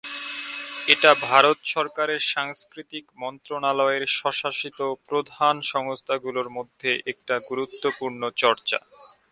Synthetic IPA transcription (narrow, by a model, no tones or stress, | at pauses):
eʈabʱaɾot̪ʃɔɾkaɾeɾʃaŋskɾit̪ikmɔnt̪ɾonalɔeɾʃɔʃaʃit̪opɾod̪ʱanʃɔŋost̪ʰaɡuloɾmod̪ʱːeʔek̚ʈaɡuɾut̪ːopuɾnot͡ɕɔɾt͡ɕa̰